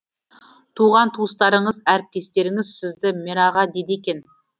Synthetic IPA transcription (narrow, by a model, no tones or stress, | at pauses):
t̪ʰuʁɑnt̪ʰuəst̪ɑɾəɴəzæɾɪp̚t̪e̞st̪e̞ɾɪŋɪzsɪzd̪ɪmeɾɑʁɑd̪e̞d̪ekʲe̞n